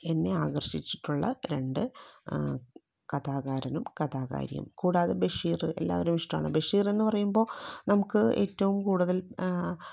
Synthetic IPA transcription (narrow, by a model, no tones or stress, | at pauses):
e̞nːe̞aːɣɐrɕit͡ɕːi̥ʈːuɭːɐ̰ɾe̞ɳɖɨ | kɐðaːɣaːɾɐnumkɐðaːɣa̰ːɾḭjɐ̰mkuːɽaːðebe̞ʂiːrɨe̞̰lːa̰ːʋɐɾumʋiʂʈɐma̰ːɳɨbe̞ʂiːre̞nːɨpɐrɐjumbo̞ːnɐmukːɨe̞ːtːɐʋumkuːɽuðɐl